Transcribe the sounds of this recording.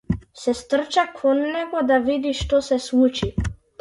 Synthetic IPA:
sɛst̪r̩t͡ʃakʰɔnːɛɡɔd̪avid̪iʃt̪ɔsɛslˠut͡ʃi

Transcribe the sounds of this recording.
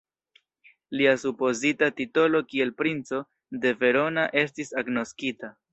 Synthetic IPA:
liasupo̞zitatito̞lo̞kie̞lpɾint͡so̞ | de̞ve̞ɾo̞naʔe̞stisaɡno̞skita

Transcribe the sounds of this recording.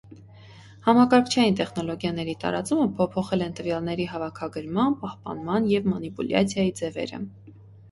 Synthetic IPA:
hɑmɑkɑɾkʰt͡ʃʰɑjint̪ɛχnɔlɔɡjɑnɛɾit̪ɑ̰ɾɑ̰t͡suməpʰɔpʰɔχɛlɛnt̪əvjɑlnɛɾiɦɑvɑkʰɑɡəɾmɑnpɑhpɑ̰nmɑnjɛvmɑnipṵljɑ̰t͡sʰjɑjid͡zɛvɛ̰ɾə̰

